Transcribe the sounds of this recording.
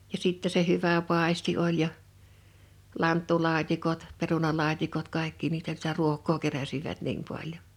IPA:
jɑ sitːe se hyʋæ pɑˑesti olʲ jɑ lɑntːulɑːtʲikot perunɑlɑːtʲikot kɑˑekːi niːtæ sĭtæ ruokˑoː keræsiʋæt niːm pɑljon

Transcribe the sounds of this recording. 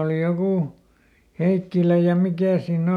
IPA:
oˑli jokuˑ heikːilæ jɑ mikæˑ siːnː

